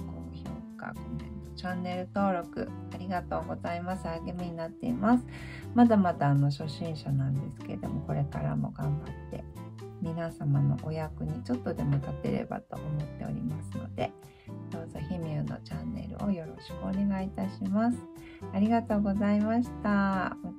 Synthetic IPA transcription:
ko̞ːço̞̰ːka̰kõmẽnt̪o̞t͡ɕãnːe̞ɾɯ̟t̪o̞ːɾo̞kɯ̟̰ | aɾʲiɡat̪o̞ːɡo̞zaimasɨaɡemʲiɲ̟inat̪ːe̞̰imasɨ̥ | mad̪amat̪aːno̞ɕo̞ɕĩɰ̃ɕanãnd̪e̞sɨ̥ke̞ɾed̪o̞̰mo̞ko̞ɾe̞kaɾa̰mo̞̰ɡãmbat̪ːe̞̰mʲinasamano̞̰ʔojakɯ̟ɲ̟it͡ɕo̞t̪ːo̞d̪e̞mo̞t̪at̪e̞̰ɾe̞̰ba̰t̪o̞̰ʔomo̞t̪ːe̞o̞̰ɾʲḭmasɨno̞d̪e̞̰ | d̪̥o̞ːzo̞çimʲɯːno̞̰t͡ɕãnːe̞̰ɾɯ̰o̞̰jo̞ɾo̞ɕi̥kɯo̞ne̞ɡait̪aɕimasɨ̥ | aɾʲiɡat̪o̞ːɡo̞zaimaɕi̥t̪a

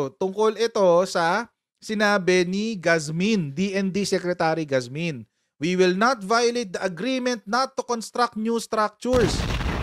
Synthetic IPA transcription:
t̪ʊŋkolɪt̪o̞sɐ | sɪnaːbɛniɡasmind̪iʔɛnd̪isɛkɾɛt̪aːɾiɡasmin | wiwɪlnɐt̪vajʊlejt̪̚d̪ɐʔɐɡɾimɛ̃nt̪̚nɐt̪ːukonst̪ɾak̪̚njust̪ɾak̚t͡ʃʊɹs

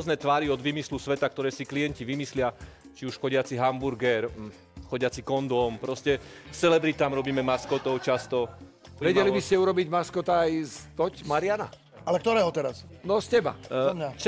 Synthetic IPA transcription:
znɛːt̪ʋaːɾiɔd̪ʋiːmislusʋɛt̪ak̚t̪ɔɾɛːsikliɛɲciʋimislɪa | t͡ʃiuʃxɔɟɪat͡siɦambuɾɡɛɾ | xɔɟɪat͡sikɔnd̪ɔmpɾɔscɛsɛlɛbɾit̪aːmɾɔbiːmɛmaskɔt̪ɔʊt͡ʃast̪ɔ | ʋɛɟɛlibiscɛuɾɔbiɟmaskɔt̪aajzt̪ɔcmaɾɪana̰ | alɛkt̪ɔɾɛːɦɔt̪ɛɾasnɔscɛba̰t͡ʃ

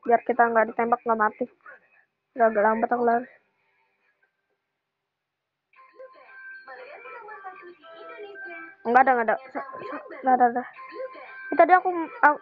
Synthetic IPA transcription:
biarkit̪aŋɡadit̪embak̚ŋɡaʔmat̪ɪ | ɡaɡalambat̪akulaɾi | ŋɡadaŋadasasaɡadada | kit̪adiaakua

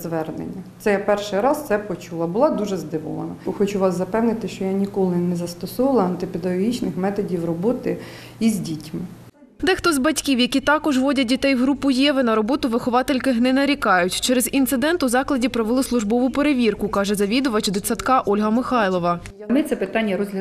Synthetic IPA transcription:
zʋɛrnḛnʲːɐt̪ɛjapɛrʃɪjɾɑst̪sɛpɔt͡ʃulˠɐbʊlˠɑd̪uʒɛzd̪ɪʋɔ̰ʋˠɐ̰nɐxɔt͡ʃuʋɑsːɐpɛwnɪt̪ɪʃt͡ʃɔjanʲikɔlˠɪnɛzɐst̪ɔsɔʋɐlˠɐɐnt̪ɪpʲed̪ɐɦɔɦʲit͡ʃnɪxmɛt̪ɔdʲiwrɔbɔt̪ɪ | izʲdʲitʲmɪ | d̪ɛxt̪ɔzbɐtʲkʲiwjɐkʲit̪ɑkɔʒʋɔdʲɐdʲit̪ɛjɦɾupʊjɛʋɪnɐɾɔbɔt̪ʊʋɪxɔʋɑt̪elʲkɪɦnɛnɐɾʲikɑjʊtʲt͡ʃɛɾɛzint̪sɪd̪ɛnt̪ʊzɑklˠɐdʲipɾɔʋelˠɪslˠʊʒbɔʋʊpeɾeʋʲirkʊkɑʒɛzɐʋʲid̪ʊʋɐt͡ʃd̪ɪt͡sʲsʲɐt̪kɑʔɔlʲɦɐmɪxɑjlˠɔʋɐ | mɪt̪sɛpɪt̪ɑnʲːɐɾɔzʲlʲɐ

